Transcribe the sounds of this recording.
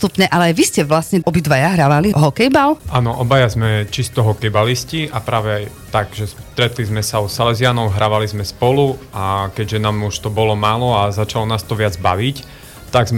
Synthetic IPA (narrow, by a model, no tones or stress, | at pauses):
t̪upɲɛʔalɛajʋiscɛʋlasɲɛɔbid̪ʋajaɦɾaʋaliɦɔkɛjbalʔaːnɔʔɔbajazmɛt͡ʃist̪ɔɦɔkɛjbalisciʔapɾaːʋɛaj | t̪aɡʒɛst̪ɾɛt̪lizmɛsaɔsalɛzɪanɔʊɦɾaʋalizmɛspɔluakɛɟʒɛnaːmuʃt̪ɔbɔlɔmaːlɔazat͡ʃalɔnaːst̪ɔʋɪad͡zba̰ʋic | t̪aɡz